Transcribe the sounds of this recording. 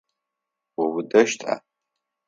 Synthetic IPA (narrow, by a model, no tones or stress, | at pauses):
wawudɐʃtʰʼa̰